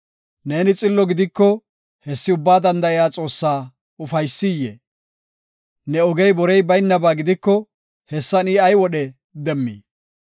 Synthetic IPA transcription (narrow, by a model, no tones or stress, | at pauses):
ne̞ːnɪt͡sʼɪlːɔɡɪd̪ɪkːɔ | hɛsːɪʊbːaːd̪ɐnd̪ɐɪjaːt͡sʼo̞ːsːaː | ʊfɐjsːɪjːḛː | nɛɔɡɛjbɔɾɛjbɐjnːɐbaːɡɪd̪ɪkːɔ | hɛsːɐniːɐjwɔɗɛ | d̪ɛmːḭː